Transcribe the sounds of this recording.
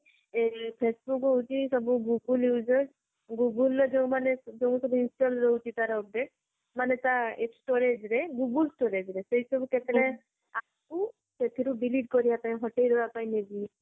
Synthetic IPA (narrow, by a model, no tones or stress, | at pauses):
epʰesbukɦɔɦut͡ʃʰisɔbuɡuɡuljud͡ʒɔs | ɡuɡuld͡ʒew̃maned͡ʒow̃sɔbuinsʈɔlɾɔɦut͡ʃʰit̪aɾɔb̚ɖeʈ | manet̪aeksʈoɾed͡ʒɾeɡuɡulsʈoɾed͡ʒɾesejsɔbuket̪ɛɾɛ | a | ku | set̪ʰiɾubiliʈ̚kɔɾijapaĩɦɔʈelɾɔapaĩnebi